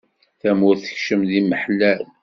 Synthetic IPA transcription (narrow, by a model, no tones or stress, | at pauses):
θæmʊɾθə̥çʃəmðiməħlæl